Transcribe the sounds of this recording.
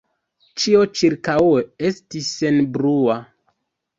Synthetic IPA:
t͡ʃiot͡ʃiɾkaweestisːe̞nbɾua

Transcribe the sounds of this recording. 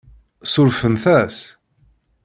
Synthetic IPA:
sʊɾfənθæs

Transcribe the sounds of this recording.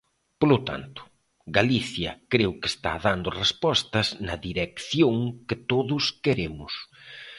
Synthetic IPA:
polʊt̪a̰nt̪ʊ̥ | ɡaliθjɐkɾewkɪe̥st̪a̰ðand̪ʊrespɔst̪ɐznɐðiɾekθjoŋkɪt̪oðʊskeɾemʊs

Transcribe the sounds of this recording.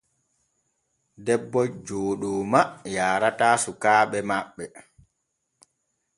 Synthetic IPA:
dɛbːɔd͡ʒoːɗɔːmajaːɾataːsukaːɓɛmaɓːɛ

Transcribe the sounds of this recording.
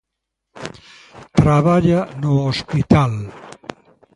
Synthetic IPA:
t̪ɾaβaʎanoospit̪al

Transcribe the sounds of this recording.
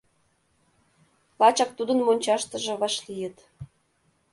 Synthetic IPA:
lɑt͡ɕɑk̚t̪ud̪ənmonʲt͡ɕɑʃt̪ə̆ʒĕβɑʃlijə̆t̪

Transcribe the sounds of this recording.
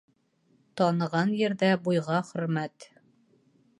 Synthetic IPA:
t̪ɒnɤ̆ʁɑnjɘ̆ɾðæbujʁɑχɵ̆ɾmæt̪

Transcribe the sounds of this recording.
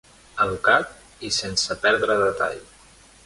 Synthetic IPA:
əβukat̪̚ | isensəpɛɾðɾəðət̪a̰ʎ

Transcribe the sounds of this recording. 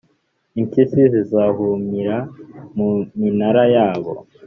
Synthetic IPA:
iŋkisizizahumiɾamuminaɾajaːβo̞̰

